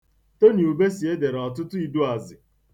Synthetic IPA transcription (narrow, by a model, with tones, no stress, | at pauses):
to˦ni˨u˨be˦si˨e˦de˨ɾɔ˨tʊ˦tʊ˦i˦du˦a˨zɪ˨